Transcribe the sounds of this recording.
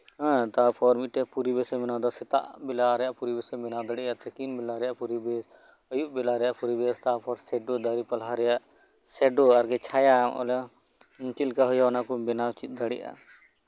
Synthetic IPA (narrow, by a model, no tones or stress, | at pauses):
ãt̪apʰɔɾmiʈɛpuɾibesɛmɪnad̪asɪt̪a̰ʔbɪlaɾɛjaʔpuɾibesemɪnad̪ɐɽiʔat̪ɛkinbilaɾɛjaʔpuɾibes | əjuʔbilaɾɛjaʔpuɾibest̪apʰɔɾsɛɖod̪aɾipɐlɦaɾɛjaʔ | sɛɖoɐɾɡɛt͡ʃʰajaɔ̰la | mukilkaɦɔjaɔnakubɪnawt͡ʃit̪̚d̪ɐɽḭʔa̰